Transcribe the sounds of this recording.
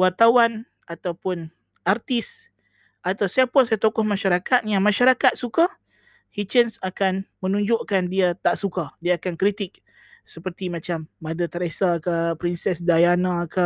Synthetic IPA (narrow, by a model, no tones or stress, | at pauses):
wart̪awan | at̪awpʊn | art̪is | ʔat̪awsaapasajat̪okɔhmãʃaɾakat̪̚jamaʃaɾakat̪̚suka | hit͡ʃənsakanmə̃nũɲd͡ʒʊʔkandiat̪aʔsukadiaːkankɾit̪ik̚ | səpərt̪imãt͡ʃamːadat̪əɾesakapɾinsɛsdajanãkə